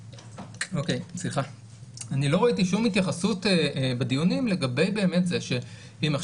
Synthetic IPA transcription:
o̞kejsliχa | anilo̞ʁoitiʃumhitjaχasutebed̪ijunimle̞ɡabejbe̞ːme̞tzeʃe | himaχ

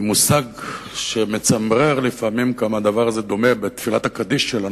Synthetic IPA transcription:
musaɡ | ʃeme̞t͡samʁeʁlifamimkamad̪avaʁzed̪o̞me̞bet̪filat̪akad̪iʃːela

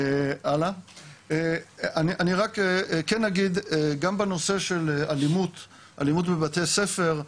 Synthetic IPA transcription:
ealaeaniʔaniʁakekenːaɡid̪eɡambeno̞se̞ʃelealimut̪ | ʔa̰limut̪bebat̪esefe̞ʁ

